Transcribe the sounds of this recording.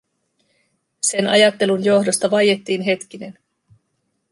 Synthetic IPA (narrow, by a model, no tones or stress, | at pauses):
se̞nɑ̰jɑt̪ːe̞lunjo̞hdo̞st̪ɑʋɑje̞t̪ːiːnɦe̞t̪k̟ine̞n